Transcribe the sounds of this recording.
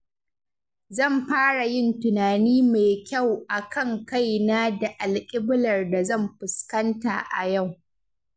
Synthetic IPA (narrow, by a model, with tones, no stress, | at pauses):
zɐ˦˨mɸaː˦ɽa˨jɪ˦ntʊ˨naː˨niː˦ma˨kʲa˦˨wʔa˨kʰɐ˦˨ŋka˦˨jna˦da˨ʔa˨lkʲʼɪ˦bɪ˦lɐ˨rda˨zɐ˦˨mɸɪ˨skɐ˦nta̰˨ʔa̰˨ja˦˨w